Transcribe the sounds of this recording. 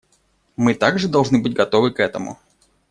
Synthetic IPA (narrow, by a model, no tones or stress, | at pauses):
mɨt̪aɡʐɨd̪ɐlˠʐnɨbɨt̚ʲɡɐt̪o̞vɨkɛt̪əmʊ̰